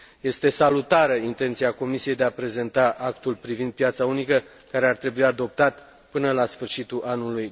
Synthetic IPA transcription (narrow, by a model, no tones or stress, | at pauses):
je̞st̪e̞salut̪aɾəint̪e̞nt̪siako̞misijejd̪eapɾe̞ze̞nt̪aʔakt̪ulpɾivind̪̚pjat̪saunikə | kaɾe̞art̪ɾe̞bujad̪o̞p̚t̪at̪ | pɨnəlasfɨrʃit̪uʔanuluj